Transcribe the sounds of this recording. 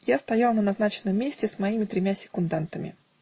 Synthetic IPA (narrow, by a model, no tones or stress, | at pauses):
jast̪ɐjalˠnənɐznat͡ɕɪnːəmːʲesʲtʲɪsmɐimʲɪt̪ɾʲɪmʲasʲɪ̥kʊnd̪ant̪əmʲɪ̰